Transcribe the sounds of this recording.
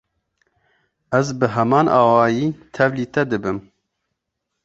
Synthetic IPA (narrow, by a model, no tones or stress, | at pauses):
æzbɨɦɛmɑːnʔɑːwɑːjiːt̪ʰɛvliːt̪ɛd̪ɨbɨm